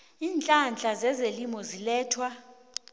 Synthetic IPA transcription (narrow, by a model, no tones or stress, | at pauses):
iːnt͡ɬʼand͡ɮʱʼazɛzelimɔzilɛːtʰwa